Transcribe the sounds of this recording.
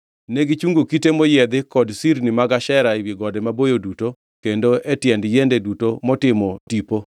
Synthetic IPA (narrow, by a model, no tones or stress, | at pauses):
neɡit͡ʃuŋɡokitemɔjɛd̪ɪkɔdsiɾnimaɡaʃɛɾaiwiɡɔdɛmabojoduto | kendoʔetjɛndjendedutomɔtɪmɔtipo